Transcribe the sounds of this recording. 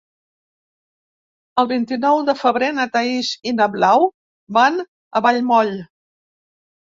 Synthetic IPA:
əlˠβint̪inɔwðəfəβɾenət̪əiʃinəβlaw | ban | əβaʎmɔʎ

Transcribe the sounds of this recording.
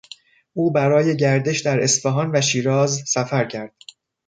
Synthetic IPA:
ʔuːbæɾɒːje̞ɟæɾd̪e̞ʃd̪æɾe̞sfeɦɒːnvæʃiːɾɒːzsæfæɾcʰæɾd̪̥

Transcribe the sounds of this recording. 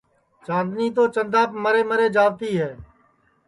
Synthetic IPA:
t͡ʃãːd̪niːt̪̬oːt͡ʃənd̪aːpməɾeːməɾeːd͡ʒaːʋt̪iːɦɛː

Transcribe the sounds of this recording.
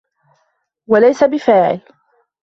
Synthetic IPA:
walajsabɪfaːʕɪ̰l

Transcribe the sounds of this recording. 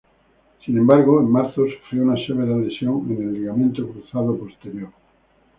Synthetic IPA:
sinẽmbaɾɣoemmaɾθosufɾjiounaʃeβeɾaðesjoŋenelːiɣamẽnt̪okɾuθaðopo̞st̪eɾjoɾ

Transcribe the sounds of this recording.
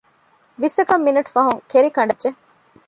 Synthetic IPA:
ʋisɐkɐmːinɐʈu̥fɐɦuŋkeɾikɐɳɖɐd͡ʒʒe

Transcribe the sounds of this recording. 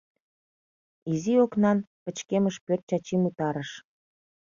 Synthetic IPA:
izioknɑnpə̆t͡ɕkeməʃpørt̪̚t͡ɕɑt͡ɕimut̪ɑɾəʃ

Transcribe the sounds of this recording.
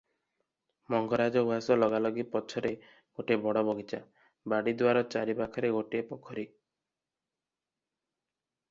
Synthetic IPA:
mɔŋɡɔɾad͡ʒɔuasɔlɔɡalɔɡipɔt͡ʃʰɔɾe | ɡ̥oʈebɔɽɔbɔɡʱit͡ʃa | baɽid̪waɾɔt͡ʃaɾibakʰɔɾeɡoʈepɔkʰɔɾi

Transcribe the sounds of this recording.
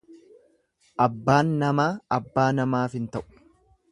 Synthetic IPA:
ʔɐbːaːnːɐmaːɐbːaːnɐmaːfɪnt̪ɐʔʊ̥

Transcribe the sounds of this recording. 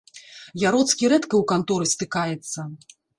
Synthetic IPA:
jaɾɔt̪skʲiɾɛt̪kɐwkant̪ɔɾɨst̪ɨkajɛt̪sːɐ

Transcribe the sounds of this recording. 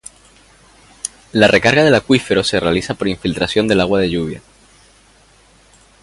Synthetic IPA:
larʔe̞kaɾɣaðe̞lakwife̞ɾo̞se̞re̞alisapo̞ɾiɱfilt̪ɾasjo̞nd̪e̞laɣwað̞e̞ʝuβ̞ja̰

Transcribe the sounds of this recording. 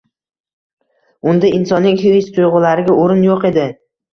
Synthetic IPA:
ʊnd̪aɪnsɒnːɪŋhiɪst̪ʰʊjʁʊlaɾɪɡʲaoɾɪnjoqe̞d̪ɪ

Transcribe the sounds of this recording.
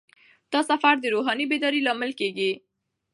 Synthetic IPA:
t̪ɔsafaɾd̪iɾoɦanibed̪ɔɾilamɪlkeɡi

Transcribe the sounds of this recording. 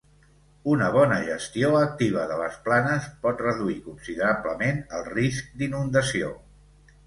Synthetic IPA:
unəβ̞ɔnəʒəst̪ioək̚t̪iβ̞əðələsplanəspɔt̪rəðuikunsiðəɾabləmenəlˠrisk̚d̪inund̪əsio̰

